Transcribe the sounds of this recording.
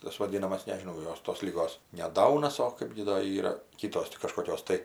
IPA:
tɐs ʋɐˈdʲiːnɐmɐs nʲɛʒʲɪˈnɐʊ ˈjoːs toːs lʲɪˈɡoːs nʲɛ ˈdɐʊnɐs oː ˈkɐɪp ɡʲɪ ˈdoː ˈiːrɐ ˈkʲiːtoːs tʲɪ kɐʃkoːˈkʲoːs tɐɪ

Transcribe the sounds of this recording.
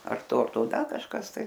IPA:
ɐr ˈtoː ɐr ˈtoː ˈdɐ kɐʃˈkɐs tɐɪ

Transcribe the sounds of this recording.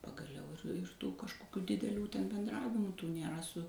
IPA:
pɐɡɐˈlʲɛʊ ɪr tuː kɐʃkoːˈkʲuː dʲɪdʲɛˈlʲuː tʲɛn bʲɛnˈdrɑːʋʲɪmʊ ˈtuː nʲeːˈrɐ sʊ

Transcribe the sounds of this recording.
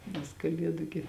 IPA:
nʲɛs kɐˈlʲiɛdʊ ɡʲɪ

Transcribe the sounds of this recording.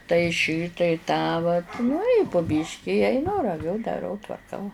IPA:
tɐɪ ˈʃʲiː tɐɪ ˈtɑː ʋɐt nʊ ɪ pʊ ˈbʲiːʃʲkʲɪ ɪ ɐɪˈnʊ rɐˈʋʲʊ dɐˈrɐʊ tʋɐrˈkɐʊ

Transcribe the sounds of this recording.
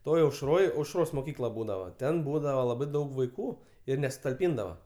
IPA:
ˈtoːj ɐʊʃˈroːj ɐʊʃˈroːs moːˈkʲiːklˠɐ ˈbuːdɐʋɐ ˈtʲɛn ˈbuːdɐʋɐ lˠɐˈbɐɪ ˈdɐʊk ʋɐɪˈkuː ɪr nʲɛsʊtɐlʲˈpʲiːndɐʋɐ

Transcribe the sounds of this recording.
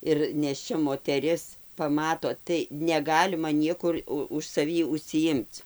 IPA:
ɪr nʲeːʃʲˈt͡ʃʲɛ moːtʲɛˈrʲɪs pɐˈmɑːtoː tɐɪ nʲɛˈɡɑːlʲɪmɐ ˈnʲiɛkʊr ˈʊ ʊʃ sɐˈʋʲiː ʊʃʲsʲɪˈjɪmt͡s

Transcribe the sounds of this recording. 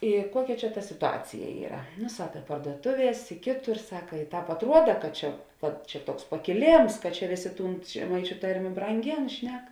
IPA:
ɪ ˈkuɔˌkʲɛ ˈt͡ʃʲɛ tɐ sʲɪtʊˈɑːt͡sʲɪjɛ ˈiːrɐ nʊ ˈsɑːkɐ pɐrduɔˈtʊˌʋʲiɛs ɪ ˈkʲeːˌtʊr ˈsɑːkɐ ɪ ˈtɑːp ɐtˈruɔdɐ kɐt ˈt͡ʃʲɛ kɐt ˈt͡ʃʲɛ ˈtuɔks pɐkʲɪˈlʲeːms kɐt t͡ʃʲɛ ˈʋʲeːˌsʲeː ˈtuːn ʒʲɛˈmɐɪt͡ʃʲʊ ˈtɐrʲmʲeː brɐŋʲˈɡʲeːn ˈʃʲnʲɛk

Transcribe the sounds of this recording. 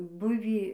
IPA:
ˈbʊʋʲiː

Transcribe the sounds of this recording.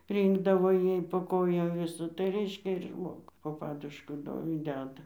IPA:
ˈrʲiːŋɡdɐʋoː ˈjɛɪ poː ˈkoːjoːm ˈʋʲɪsɐ tɐɪ ˈrʲɛɪʃʲkʲɛ ɪr ˈʒmoːɡʊ poː ˈpɑːdʊʃkʊ ˈdoː ɪ ˈdʲæːdɐ

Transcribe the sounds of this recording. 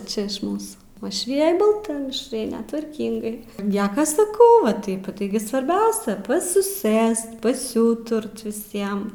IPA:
ˈt͡ʃʲɛ ˈmuːsuː uɔʃʲˈʋʲɪjɛj bɐlˠˈtɐ mʲɪʃˈrɐɪnʲɛ tʋɐrʲˈkʲɪŋɡɐɪ ˈnʲiɛkɐ sɐˈkɐʊ ʋɐ ˈtɐɪp ˈtɐɪɡʲɪ sʋɐrʲˈbʲɛʊsʲɛ pɐsʲɪˈsɘst pɐsʲɪˈuːtʊrt ʋʲɪˈsʲiɛm

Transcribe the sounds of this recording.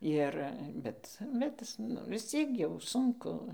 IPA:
ˈɪr ˈbʲɛt bʲɛt ˈɪs nʊ ʋʲɪsʲˈt͡sʲiɛk jɛʊ ˈsʊŋkʊ

